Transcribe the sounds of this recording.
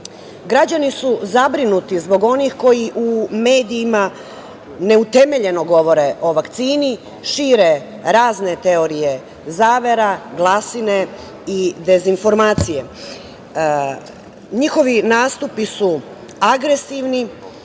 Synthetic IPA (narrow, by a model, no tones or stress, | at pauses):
ɡɾad͡ʑanisuzabɾinut̪izbo̞ɡo̞nixko̞jiʔume̞ːd̪iːma | ne̞ut̪e̞me̞ʎe̞no̞ɡo̞ʋo̞ɾe̞ʔo̞ʋakt̪siːni | ʃiːɾe | ɾaːzne̞t̪e̞o̞ɾije̞ | zaːʋe̞ɾaɡlˠasine | id̪e̞zinfo̞ɾmaːt̪sije̞ | ɲixo̞ʋinaːst̪upisu | aɡɾe̞siʋni